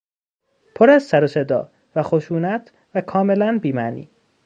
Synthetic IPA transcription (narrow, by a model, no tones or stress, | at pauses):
pʰoɾæzsæɾose̞d̪ɒ̰ː | væxo̞ʃuːnæt̪ʰ | vækʰɒːme̞lænbiːmænḭː